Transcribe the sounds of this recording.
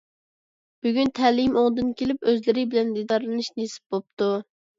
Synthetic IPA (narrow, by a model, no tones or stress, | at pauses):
b̥yɡʲynt̪ʰɛlɪmoŋd̪ɨnkʲʰelɪpøzlɪɾɪbɪlɛnd̪id̪ɑɾlˠɨnɨʃnesɪ̥p̚bop̚t̪ʰu